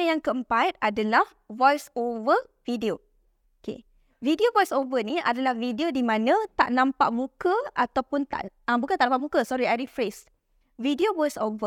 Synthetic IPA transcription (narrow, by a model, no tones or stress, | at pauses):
əjaŋkəəmpajt̪̚adalah | vɔjsovə | vidio | okḛ | vidiovɔjsovənĩa̰dalahvidiodimãnãt̪a̰ʔnãmpa̰ʔmũkəat̪awpʊnt̪a̰ʔ | abukãt̪aʔnãmpaʔmukəsɔɾiajɾifɾes | vidiovɔjsovə